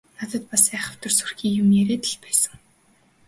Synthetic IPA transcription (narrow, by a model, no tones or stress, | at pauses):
nat̪ə̆t̪̚pasæːχə̆w̥t̪ə̆rsurxʲiːjʊmjeɾeːt̪ə̥̆ɮpæːsə̆ŋ